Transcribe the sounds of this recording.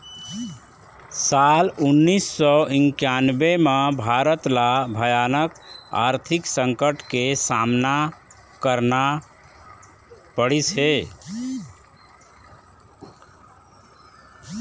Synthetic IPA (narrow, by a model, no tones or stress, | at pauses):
salunːisːɔiŋkjanbemebʱaɾət̪labʱəjanəka̰ɾt̪ʰiksəŋkəʈkesamna | kəɾna | pəɽit͡ʃʰe